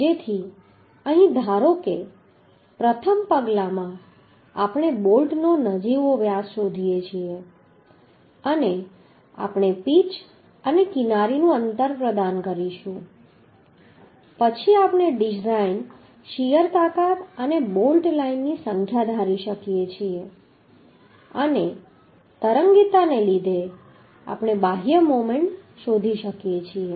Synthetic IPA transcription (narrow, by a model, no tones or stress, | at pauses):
d͡ʒet̪ʰi | əɦĩd̪ʱaɾoke | pɾət̪ʰəmpəɡlamã | apɳ̃ebolʈnonəd͡ʒiʋoʋjasʃod̪ʱijet͡ʃʰie | əne | a̰pɳ̃epit͡ʃ | ənekinaɾinũənt̪əɾpɾəd̪ankəɾiʃũ | pət͡ʃʰiapɳeɖizain | ʃijəɾt̪akat̪ənebolʈlainːisəŋkʰjad̪ʱaɾiʃəkijet͡ʃʰie | əne | t̪əɾəŋɡit̪anelid̪ʱe | a̰pɽ̃ebaɦijəmomeɳʈ | ʃod̪ʱiʃəkjet͡ʃʰie